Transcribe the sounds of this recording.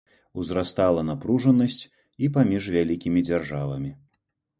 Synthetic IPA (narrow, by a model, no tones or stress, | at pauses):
uzɾast̪alˠɐnapɾuʐɐnɐsʲt͡sʲ | ipamʲiʐvʲalʲikʲimʲid͡zʲarʐavɐmʲi